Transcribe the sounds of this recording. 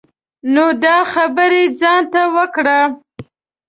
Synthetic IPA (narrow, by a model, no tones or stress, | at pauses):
nod̪ɑxabəɾed͡zɑnt̪awəkɽa